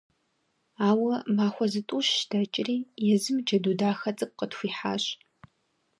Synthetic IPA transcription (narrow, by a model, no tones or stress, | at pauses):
aːwɐmaːxʷɔzɨtʼuːɕd̥ɐt͡ʃʼɪriːjɛzɨmd͡ʒɐduːdaːxɐt͡sʼɨp̚qətxʷiːħa̰ːɕ